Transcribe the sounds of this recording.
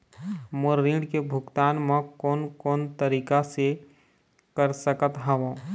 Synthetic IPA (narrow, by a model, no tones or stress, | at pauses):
məɾĩːɖkebʱʊɡt̪aːnmẽkɔːnkɔːnt̪əɾiːkase | kəɾsəkət̪ɦaʋõ